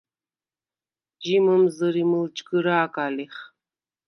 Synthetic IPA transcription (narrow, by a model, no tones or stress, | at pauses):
ʒiːmɐmzɐɾimɨlt͡ʃʼɡɨɾaːkʼaːleχ